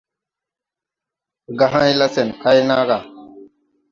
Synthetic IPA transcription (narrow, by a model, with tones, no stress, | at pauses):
ɡa˨ɦã˦jla˦se˨nkʰa˦jnaː˦ɡa˨